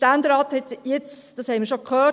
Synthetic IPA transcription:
tændɾɑːthɛtjɛt͡sd̥ɑshɛɪməɾʃokʰhøː

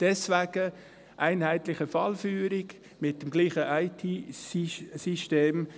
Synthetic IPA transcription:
d̥ɛsvæɡ̥ə | ʔæɪnhæɪt̪lɪχəfɑlfyːɾɪɡ | mɪt̚d̥əmɡliːχəʔaɪtʰiːsisiʃteːm

